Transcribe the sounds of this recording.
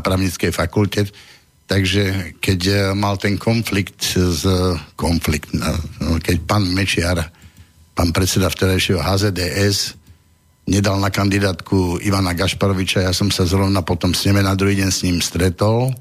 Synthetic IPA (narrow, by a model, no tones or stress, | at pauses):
pɾaːʊɲit͡skɛjfakulcɛ | t̪aɡʒɛkɛcmalt̪ɛŋkʰɔnflikt̪zkɔnflikt̪na̰kɛc̚paːnmɛt͡ʃɪaɾ | paːnpɾɛt̪t͡sɛd̪aft̪ɛɾajʃɪɛɦɔɦaːzɛd̪ɛʔɛs | ɲɛd̪alnakand̪id̪aːt̪kʰuiʋanaɡaʃpaɾɔʋit͡ʃajaːsɔmsazɾɔʋnapɔt̪ɔmsɲɛmɛnad̪ɾuɦiːɟɛɲsɲimst̪ɾɛt̪ɔl